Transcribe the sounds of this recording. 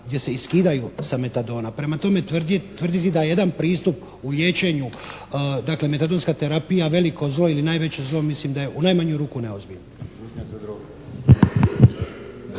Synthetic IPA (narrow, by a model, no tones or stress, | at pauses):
ɡd̪ʲje̞se̞iskiːd̪ajusame̞t̪ad̪o̞ːnapɾe̞mat̪o̞me̞t̪ʋrd̪t̪ʋrd̪it̪id̪ajeje̞d̪anpɾiːst̪up | ulje̞ːt͡ɕe̞ɲu | d̪akle̞me̞t̪ad̪o̞nskat̪e̞ɾapijaʋe̞liko̞zlˠo̞ilinaːjʋe̞t͡ɕezlo̞mislimd̪aje̞ʔunaːjmaɲuɾuːkune̞ozbiʎno